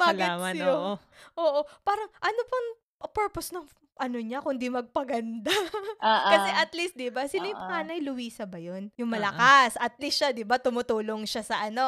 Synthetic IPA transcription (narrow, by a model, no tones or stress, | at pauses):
balːmɐjoʔoːʔopaːɾɐŋʔɐnopɐŋ | pɛɹposnɐŋ | ʔɐnoɲakʊnd̪imɐɡ̚pɐɡɐnd̪a | kɐsɛʔɐt̪list̪̚d̪ɪbasɪlajʊpɐŋaːnɐjlʊwiːsɐbɐjonjʊŋmɐlɐkasʔɐt̪̚lisʃad̪ɪbat̪ʊmʊt̪uːlo̞ŋʃasɐʔɐno̞